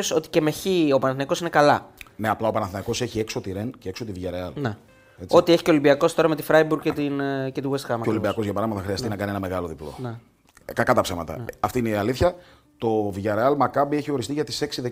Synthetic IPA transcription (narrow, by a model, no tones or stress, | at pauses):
oso̞t̪i̥ce̞meçio̞pɐnɐθnɐiko̞sine̞kɐlɐneɐplɐo̞pɐnɐθinɐiko̞seçie̞kso̞t̪iɾe̞nceeksot̪iviʝɐɾeɐlne | et͡so̞t̪ieçi̥ceo̞limbiɐko̞st̪o̞ɾɐme̞t̪ifɾɐjbuɾɡcet̪incet̪iwest̪xɐmɐolibiɐko̞zʝɐpɐɾɐmɐt̪ɐxɾiɐst̪inɐkɐnienɐme̞ɣɐlo̞ðiplo̞̰ne | kɐkɐt̪ɐpsemɐt̪ɐ̰ɐft̪iineiɐliθçɐ | t̪o̞viʝɐɾeɐlmɐkɐbieçio̞ɾist̪iʝɐt̪i̥se̞ksiðe